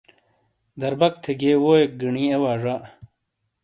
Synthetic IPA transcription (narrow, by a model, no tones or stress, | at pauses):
d̪ɐɾbɐk̚t̪ʰeɡewoːek̚ɡiɳiːewaːʐa